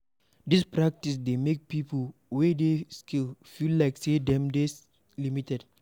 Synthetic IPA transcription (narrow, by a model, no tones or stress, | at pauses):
dispɹak̚tisdemek̚pipəlwedeskʰilfillaɪksedɛ̃mdes | limitɛd